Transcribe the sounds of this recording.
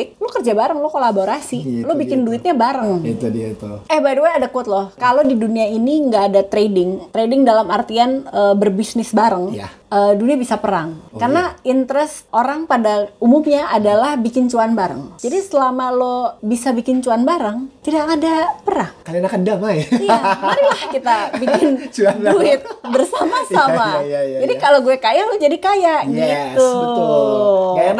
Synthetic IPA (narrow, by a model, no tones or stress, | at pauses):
ɪt̪̚lokərd͡ʒabaɾəŋlokolaboɾasilobikɪnduɪt̪̚ɲabaɾəŋ | ɛhbaduaadakuət̪̚lɔhkalodiduniainiŋɡaːdat̪ɾedɪŋt̪ɾedɪŋdalamart̪ianəːbərbisnɪsbaɾəŋja | əːduniabisapəɾaŋkarnaint̪əɾɛsoɾaŋpadaumumɲaʔadalahbikɪnt͡ʃuanbaɾə̰ŋd͡ʒadisəlamalobisabikɪnt͡ʃuanbaɾəŋt̪idakadapəɾaŋkalianakandamajiaɾilahkit̪abikɪnduɪt̪̚bərsamasamad͡ʒadikaloɡuɛkajahlod͡ʒadikajaʔɡait̪u